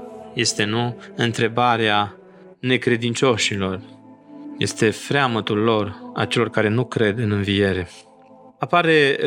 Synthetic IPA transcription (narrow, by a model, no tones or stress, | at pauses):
je̞st̪e̞nuɨnt̪ɾe̞baɾea | ne̞kɾe̞d̪int͡ʃo̞ʃilo̞r | je̞̰st̪e̞fɾeamət̪ulːo̞ra̰t͡ʃe̞lo̞rkaɾe̞nukɾe̞d̪ɨnɨnvije̞ɾe̞ | apaɾe̞